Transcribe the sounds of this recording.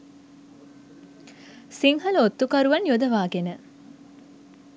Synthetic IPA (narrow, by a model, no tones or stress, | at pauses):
siŋɦɐlot̪ːukɐɾuʋanjod̪ɐʋaːɡenə